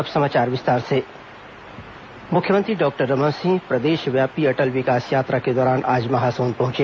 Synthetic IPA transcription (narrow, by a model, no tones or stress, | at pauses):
ɐpsɐmaːt͡ʃaːɾʋɪst̪aːɾse | mʊkʰjəmə̃nt̪ɾiɖɔːk̚ʈəɾːɐmə̃ːsɪ̃ŋɡpɾɐd̪eːʃʋjaːpiɐʈəlʋɪkaːsjaːt̪ɾaked̪ɔːɾaːnʔaːd͡ʒmɐɦasoːnpɐɦʊ̃t͡ʃeː